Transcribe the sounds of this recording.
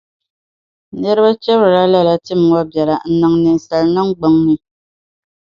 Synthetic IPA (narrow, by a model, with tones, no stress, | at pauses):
nɛ˦ɾba˦t͡ʃɛ˦bɾɾa˦la˦˨la˨ti˦˨m˨wɔ˦bjɛ˨la˨n̩˨˦na˨ŋnɛ˨n˨sa˨lna˦ŋ˦ɡ͡bo˨˦ŋni˨